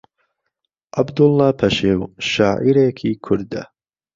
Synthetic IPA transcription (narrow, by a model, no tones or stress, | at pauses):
ʔɐbd̪ʊlˠːɑːpʰɐʃewʃaːʕiɾeːkʰiːkʰʊɾd̪ɐ̰